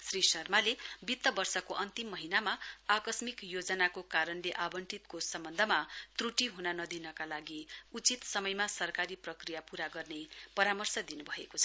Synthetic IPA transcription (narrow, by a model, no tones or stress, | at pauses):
srisʌrmalebit̪ːʌbʌrsʌkoʔʌnt̪imːʌɦinamaːkʌsmikjod͡zʌnakokaɾʌnleʔabʌɳʈit̪kosʌmbʌnd̪ʱʌmat̪ruʈiɦunanʌd̪inʌkalaɡiut͡sit̪sʌmʌjmasʌrkaɾiprʌkrijapuɾaɡʌrnepʌɾamʌrsʌd̪inubʱʌekot͡sʰʌ